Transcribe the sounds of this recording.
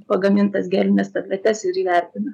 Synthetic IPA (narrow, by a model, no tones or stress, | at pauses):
pɐɡɐmʲɪnt̪ɐsɡʲæːlʲɪnʲɛst̪ɐb̪ʲlʲɛt̪ʲɛsɪɾiʋʲɛɾʲt̪ʲɪnɐ